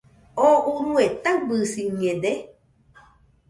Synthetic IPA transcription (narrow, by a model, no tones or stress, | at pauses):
oʔuɾũet̪abɨsiɲẽde